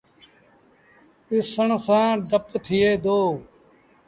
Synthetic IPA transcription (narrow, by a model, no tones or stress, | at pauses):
ɪsəɳsãːɖəpt̪ʰɪjeːd̪oː